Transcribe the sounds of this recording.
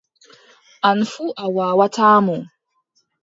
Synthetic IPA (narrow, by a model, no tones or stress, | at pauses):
ʔanfuʔawaːwataːmu